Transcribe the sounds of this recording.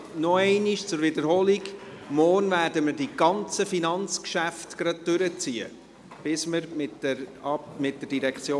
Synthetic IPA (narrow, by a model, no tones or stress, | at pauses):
nɔɛɪniʃt͡sʊɾvɪdəɾɦoːliɡ | mɔːrnvæːɾdəməɾdiɡ̥ɑnt͡səfinɑnt͡skʃæftɡ̥ɾɑd̚dʏɾət͡siːə̰ | b̥ɪsməɾmɪtɛɾɑmɪt̚dəd̥iɾɛkχt͡sjoː